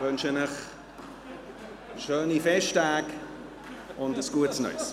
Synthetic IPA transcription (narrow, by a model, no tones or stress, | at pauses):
vʏnʃənəχ | ʃøːnifɛʃtaːk | ʊndəsɡ̥uətsnœ̰ɪs